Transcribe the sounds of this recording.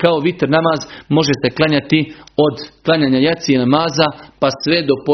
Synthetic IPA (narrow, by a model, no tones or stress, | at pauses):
kao̞ʋit̪ɾnamaːzmo̞ʒese̞klˠaɲat̪io̞d̪klˠaɲaːɲajat̪sijenamaːzapasʋe̞d̪o̞po